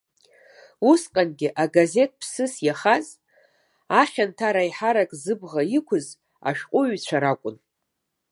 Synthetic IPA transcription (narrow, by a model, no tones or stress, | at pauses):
usqʼanɡʲɪʔaɡaze̞t̚ʼpʰsɨsjaχaz | aχʲantʰaɾajħaɾakʼzɨbʁaikʷʰʊz | a̰ʃᶣqʷʼʊɥt͡ɕʷʰaɾakʷʼʊn